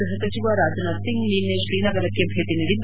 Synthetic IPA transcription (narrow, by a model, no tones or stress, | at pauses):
ɾɦɐsɐt͡ʃiʋaːɾaːd͡ʒɐnɐsiŋliːnːeʃɾiːnɐɡɐɾɐkːebʱeːʈ̪inɐd̪in